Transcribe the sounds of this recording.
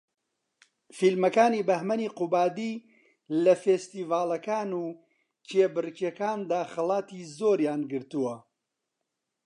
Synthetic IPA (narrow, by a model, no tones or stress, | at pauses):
filmɐkaːniːbɐhmɐniːqubaːd̪iː | lɐfeːst̪iːvaːlˠɐkaːnuː | t͡ʃʰeːbɨɾɨkekaːnd̪aːxɐlˠaːt̪iːzoːɾjaːnɡɨɾt̪uwɐ